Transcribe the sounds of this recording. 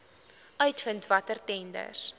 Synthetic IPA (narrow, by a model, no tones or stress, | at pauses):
ʔœɥtfəntvɐtərtɛndə̰rs